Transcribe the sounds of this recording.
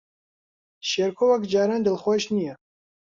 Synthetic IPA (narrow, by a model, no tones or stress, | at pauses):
ʃeɾkʰowɐkd͡ʒaːɾand̪əlχʷoʃnijɛ